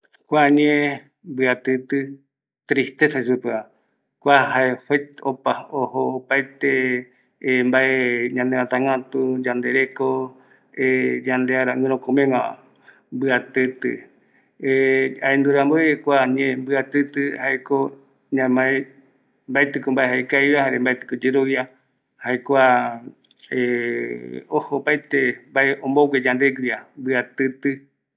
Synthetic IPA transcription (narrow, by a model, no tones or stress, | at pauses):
kʷaɲe | mbɨat̪ɨt̪ɨ | t̪ɾist̪esaʃupea | kʷaɦaeheopaohoːpajt̪e | mbaeɲãnd̪eat̪ãŋãt̪ud͡ʒand̪eɾeko | ed͡ʒãnd̪eaɾaɨ̃ɾ̃õkõmẽŋã | mbɨat̪ɨt̪ɨ̰ | eaend̪uɾamboekʷaɲẽmbɨat̪ɨt̪ɨhaeko | ɲãmaẽ | mbaet̪ɨkombaeɦaekajβahaɾembaet̪ɨ̥kod͡ʒeɾoβja | haekʷa | e | ohopajt̪embaeõmboɡʷed͡ʒãnd̪eɡʷiambɨat̪ɨt̪ɨ